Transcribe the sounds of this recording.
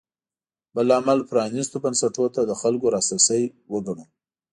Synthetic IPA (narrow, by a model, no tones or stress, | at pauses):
b̥əlamalpɾɑnist̪obansaʈot̪ad̪əxalkoɾɑsasəjwəɡaɽu